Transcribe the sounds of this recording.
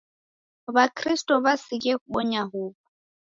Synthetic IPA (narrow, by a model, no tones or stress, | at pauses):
bakʰristʼɔβasikʼɛɓɔɲahuːpɔ